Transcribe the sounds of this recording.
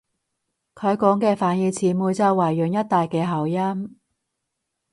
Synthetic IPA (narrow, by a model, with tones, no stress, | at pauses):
kʰɵ˨˧ɥkɔː˨˥ŋkɛː˧faː˨˥njiː˨˧t͡sʰiː˨muː˨jt͡sɐ˧wɐː˨˩jːœ˨˩ŋjɐ˥t̚t̪aː˨jkɛː˧ɦɐ˨˩wjɐ˥m